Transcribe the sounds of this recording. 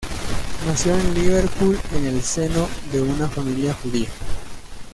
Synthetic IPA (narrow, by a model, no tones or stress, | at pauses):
nasjo̞enliβeɾpulene̞lse̞no̞ðe̞unafamiljaxuðia